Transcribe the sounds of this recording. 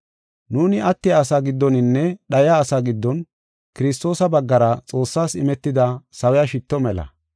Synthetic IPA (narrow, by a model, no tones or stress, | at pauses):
nuːnɪʔɐt̪ːɪjaːsaːɡɪd̪ːɔnɪnːɛɗɐjaːsaːɡɪd̪ːɔn | kɪɾɪs̬t̪o̞ːsɐbɐɡːɐɾɐt͡sʼo̞ːsːaːsɪmɛt̪ːɪd̪ɐsɐwɛjaʃɪt̪ːɔmɛlɐ̰